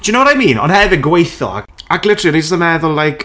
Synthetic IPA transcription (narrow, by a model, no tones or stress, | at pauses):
d̥unowɾajmiːnɔ̰nhɛvəɡwejθɔ̰a̰aɡlˠɪtʰrɨɾistənɛðʊlˠːajkʰ